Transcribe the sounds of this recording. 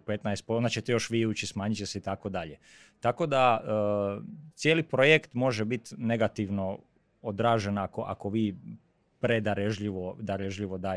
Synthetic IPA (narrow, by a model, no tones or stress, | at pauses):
pet̪naest̪̚pond̪at͡ɕet̪ejo̞ʃʋiːuːt͡ʃismaːɲit͡ɕːeseit̪ako̞d̪aʎe | t̪ako̞d̪aəːt̪sjeːlipɾojekt̪mo̞ʒebit̪ne̞ɡat̪iʋno̞ | od̪ɾaːʒe̞nako̞ʔa̰ko̞ʋiː | pɾed̪aɾeʒʎiʋod̪aɾeʒʎiʋo̞d̪aː